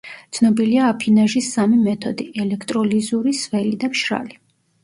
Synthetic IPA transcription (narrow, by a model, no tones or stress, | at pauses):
t̪sʰnɔbiliaːpʰinaʒisːamimɛt̪ʰɔd̪iɛlɛkʰt̪ʼɾɔlizuɾisvɛlid̪apʃɾa̰li